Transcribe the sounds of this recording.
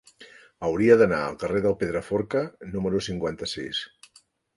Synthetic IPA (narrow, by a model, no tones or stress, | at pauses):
əwɾiəðənaəlˠkəreðəlˠpeðɾəfoɾkənuməɾusiŋkwant̪əsḭs